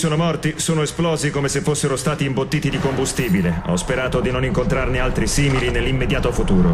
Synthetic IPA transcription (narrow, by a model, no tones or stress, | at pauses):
soːnomɔrt̪isoːnoesplɔːzikomesefːosːeɾost̪aːt̪iːmbot̪ːiːt̪id̪ikombust̪iːbileɔ̰speɾaːt̪od̪inoniŋkont̪ɾarnealt̪ɾisiːmilinelːimːed̪jaːt̪ofut̪uːɾo